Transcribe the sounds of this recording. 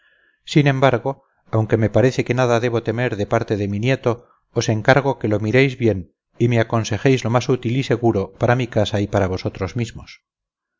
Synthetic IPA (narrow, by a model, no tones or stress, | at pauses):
sinẽ̞mbaɾɣo | awŋke̞me̞paɾe̞θe̞ke̞naðaðe̞β̞o̞t̪e̞me̞ɾðe̞paɾt̪e̞ðe̞minjet̪o̞ː | se̞ŋkaɾɣ̞o̞ke̞lo̞miɾejzβje̞n | imeako̞nse̞xejzlo̞masut̪ilise̞ɣuɾo̞paɾamikasaipaɾaβ̞o̞so̞t̪ɾozmizmos